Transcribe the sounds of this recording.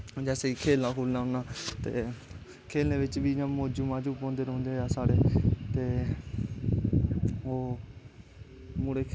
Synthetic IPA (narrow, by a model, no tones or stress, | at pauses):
d͡ʒɛːseikʰeːlãːkʰuːlnãːɦoːnaːt̪ḛː | kʰeːlnẽːʋɪt͡ʃʋiːd͡ʒãːmoːd͡ʒumãːd͡ʒuːpõːnd̪eːɾõːnd̪eaːsaːɽeːt̪eː | oː | mʊɽeː